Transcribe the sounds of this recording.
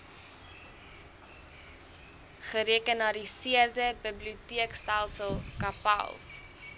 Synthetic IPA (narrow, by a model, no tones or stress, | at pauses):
χəɾeəkənɐɾisiərdəbəbliutiəkstælˠsəlˠkɐpɐ̰lˠs